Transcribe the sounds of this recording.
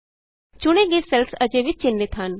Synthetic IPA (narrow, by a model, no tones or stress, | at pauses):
t͡ʃʊɽ̃ẽːɡesɛlsəd͡ʒeʋɪt͡ʃɪnːɪt̪ɦɐn